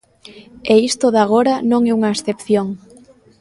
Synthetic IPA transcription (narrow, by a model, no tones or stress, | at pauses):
eist̪oðaɣ̞oɾɐnõŋɛuŋɐesθepθjoŋ